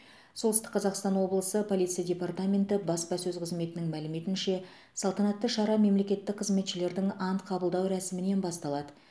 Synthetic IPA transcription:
so̞ld̪əst̪ə̥qʰːɑzɑqst̪ɑnwo̞blˠəsəpʰo̞lʲijt̪sɨjadʲe̞part̪amʲe̞nt̪ɪbɑspɑsɵzqʰəzme̞t̪ɪnɪŋmælɪme̞t̪ɪnʃe̞ | sɑlˠt̪ɑnɑt̪ːəʃɑɾɑme̞mle̞kʲe̞t̪ːɪk̚qʰəzme̞t̪ʃɪle̞ɾd̪ɪŋɑnt̪qʰɑbəlˠd̪ɑwɾæsɪmɪne̞nbɑst̪ɑlˠɑd̪ə

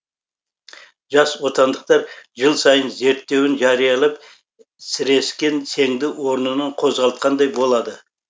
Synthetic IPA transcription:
ʒɑswo̞t̪ɑnd̪əq̚t̪ɑɾʒəlˠsɑjənze̞ɾt̪ːe̞wɪnʒɑɾijɑlˠɑp | sɪɾe̞skʲe̞nsʰe̞ŋd̪ɪwo̞ɾnənəɴqʰo̞zʁɑlˠət̪̚qʰɑnd̪ɑjbo̞lˠɑd̪ə

